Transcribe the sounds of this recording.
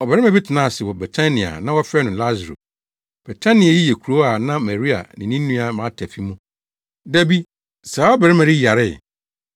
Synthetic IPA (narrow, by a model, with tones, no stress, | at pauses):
ɔ˨bɛ˨ɾɪ˦ã˨bi˦tʰɪ˨nã˦˨sɪ˨wɔ˨bɛ˨tʰa˦nĩ˨a̰˨nã˦wɔ˦fɛ˦nʊ̃˨la˦zɾo̰˨ | b̥ɛ˨tʰã˦nɪ̃˨a˨ji˦jɛ˨kʰu˨ɾo˦a˨nã˦mɛ˨ɾi˦a̰˨nɪ̃˨nĩ˦n˦nũ˦a˨mã˨˦tʰɛ˨fi˦mũ˦ | dæ˦bi˦ | sa˨˦ɔ˦bɛ˨ɾɪ˦mɛ̃˨ɾi˦ja˨ɾɪ˦˨